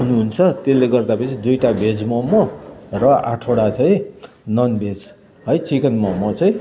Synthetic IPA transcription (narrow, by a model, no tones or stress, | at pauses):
ɦunuɦunt͡sʰʌt̪elːeɡʌrd̪apʌt͡sʰid̪ujʈabed͡zmʌmːʌrʌʔa̰ʈʰoɽat͡sʌj̃ | nʌnbʱed͡z | ɦʌjt͡sikʌnmʌmːʌt͡sʌj̃